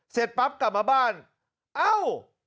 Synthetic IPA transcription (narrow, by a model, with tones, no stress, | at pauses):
se˨˩t̪̚pa˦˥p̚ka˨˩maː˧˩baː˥˩n | ʔa˧˥˩w